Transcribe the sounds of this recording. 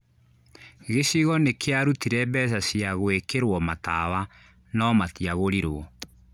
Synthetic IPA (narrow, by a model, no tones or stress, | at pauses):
ɣesiɣɔnekʰeaɾutiɾɛbɛs̬asiaɣoekeɾwɔmatawa | nɔmatiaɣoɾiɾoɔ